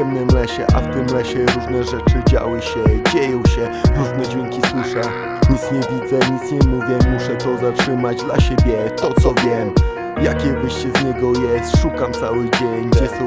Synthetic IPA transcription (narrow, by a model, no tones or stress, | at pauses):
ɛmnɛmlɛɕɛ̰ʔa̰ft̪ɘmlɛɕɛɾuʐnɛʐɛt͡ʂɘd͡ʑa̰wɘɕɛd͡ʑejɔ̃w̃ɕɛ | ɾuʐnɛd͡ʑvʲjeŋkʲiswɘʂa | ɲut̪sɲɛvʲid̪zɛɲit̪sɲɛmuvʲjɛmuʂɛt̪ɔzatʂɘmad͡ʑd̪laɕebʲjɛt̪ɔt̪sɔvʲjɛm | jakʲɛvɘɕt͡ɕɛzɲɛɡɔjɛst̪ʂukamt̪sawɘd͡ʑɛɲɛsɔ